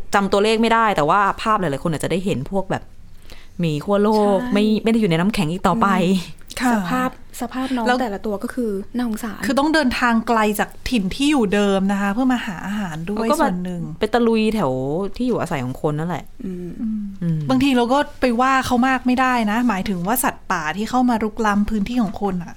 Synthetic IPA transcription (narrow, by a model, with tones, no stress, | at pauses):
t͡ɕa˧mt̪u˧ɐleː˥˩k̚ma˥˩jda˥˩jt̪ɛː˨˩waː˥˩pʰaː˥˩p̚la˨˦jlaː˨˦jko˧nʔːt͡ɕdaː˥˩jɦe˩˦npʰu˥˩ək̚bɛ̰ː˨˩p̚ | miː˧kʰu˥˩ɐloː˥˩k̚ma˥˩jma˥˩jda˥˩juː˨˩na˧jna˦˥mkʰɛ˩˦ŋʔiː˨˩t̪ɔː˨˩pa˧jkʰa˧a˧˩˧pʰaː˥˩p̚sa˧pʰaː˥˩p̚nɔː˦lɛː˦˥wt̪ːla˧t̪u˧ɐkɔː˥˩kʰɯː˧naː˥˩ho˨˩˦ŋsaː˩˦kʰɯː˧t̪ɔ˥˩ŋdɤː˧nt̪ʰaː˧ŋkla˧jt͡ɕaː˨˩k̚t̪ʰi˨˩nt̪ʰiː˥˩juː˨˩dɤː˧mna˦˥kʰa˦˥pʰɯ˥˩ɐmaː˧haː˩˦ʔaː˧ɦaː˩˦ndu˥˩˧jsbɛ˨˩ənːɯ˨˩ŋpe˧nt̪a˧lu˧jt̪ʰɛ˩˦wt̪ʰiː˥˩juː˨˩ʔaː˧sa˩˦jkʰɔː˩˦ŋkʰo˧nːa˥˩lɛ̰˨˩ʔʔɯ˧ʔɯː˧ʔɯː˧baː˧ŋt̪ʰiː˧ɾa˧wkɔː˥˩pa˧jwaː˥˩kʰa˦˥wmaː˥˩k̚ma˥˩jda˥˩jna˦˥maː˨˩˦jt̪ʰɯ˩˦ŋwaː˥˩sa˨˩t̪̚paː˨˩t̪ʰiː˥˩kʰa˥˩wmaː˧ɾu˦˥k̚la˦˥mpʰɯː˦˥nt̪ʰiː˥˩kʰɔː˩˦kʰo˧nʔa˨˩ʔ